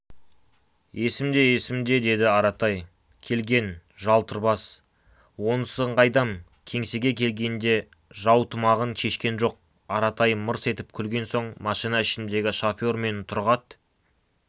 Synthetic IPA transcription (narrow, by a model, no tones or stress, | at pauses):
je̞sɪmd̪e̞jesɪmd̪e̞d̪e̞d̪ɪɑɾɑt̪ɑj | kʲʰe̞lɡʲe̞nʒɑlˠt̪ʰəɾbɑs | wo̞nsəɴʁɑjd̪ɑŋ | kʲʰe̞ŋse̞ɡʲe̞kʲʰe̞lɡʲe̞nd̪e̞ | ʒɑwt̪ʰʊmɑʁənʃʰe̞ʃkʲe̞nʒo̞q̚ | ɑɾɑt̪ɑjməɾse̞t̪ɪp̚kʲʰʏlɡʲe̞nso̞ɴmɑʃijnɑɪʃɪnd̪e̞ɡʲɪʃofʲorme̞nt̪ʰʊɾʁɑt̪